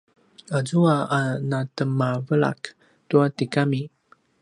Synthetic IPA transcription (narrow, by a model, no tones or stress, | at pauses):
azuaanatəmavəɭa̰k | tuatikami